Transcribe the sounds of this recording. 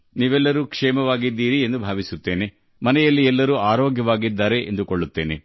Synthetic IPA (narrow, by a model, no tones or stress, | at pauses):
niːʋɛlːɐɾuːkʂɛːmɐʋaːɡid̪ːiːɾiend̪ubʱaːʋisut̪ːeːne̞ | mɐnɛjɐlːiɛlːɐɾuːaːɾɔːɡʱjɐʋaːɡid̪ːaːɾe̞ʔḛnd̪ukoɭːut̪ːe̞ːne